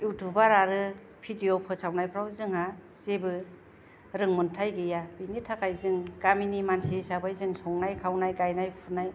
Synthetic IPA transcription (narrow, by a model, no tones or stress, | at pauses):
jutʰubaɾaɾɯ | pʰidiopʰɯsawnajpʰɾawzɯŋha | sebɯ | ɾɯŋmɯntʰajɡɯjabinitʰakʰajzɯŋɡaminimansisabajzɯŋsʰɔŋnajkʰawnajɡajnajpʰunaj